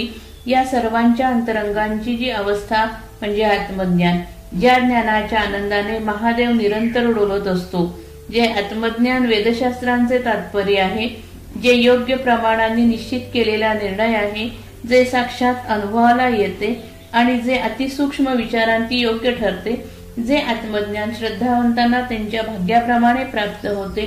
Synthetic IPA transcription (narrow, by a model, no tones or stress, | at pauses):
jasəɾʋaɲt͡ɕjaənt̪əɾəŋɡaɲt͡ɕid͡ʑiːəʋəst̪ʰa | m̤əɳd͡zeat̪məd̪njan | d͡ʑjad̪njanat͡ɕjaːnənd̪aneməɦad̪eʋniɾənt̪əɾuɽoɾot̪əst̪o | d͡zeʔət̪məd̪njanʋed̪əɕast̪ɾant͡set̪at̪pəɾiaɦe | d͡ʑejoɡjəpɾəmaɽ̃anːiːniɕt͡ɕit̪keleljaniɾɳəjaɦe | d͡zesakʂat̪ənubʱəʋalajet̪e | aɽ̃id͡zeʔət̪isukʂməʋit͡ɕaɾãnt̪iːjoɡjəʈʰəɾt̪e | d͡zeʔət̪məd̪njanɕɾəd̪ʱːaʋənt̪anːat̪jaɲt͡ɕjabʱaɡjapɾəmaɽ̃epɾapt̪əɦot̪e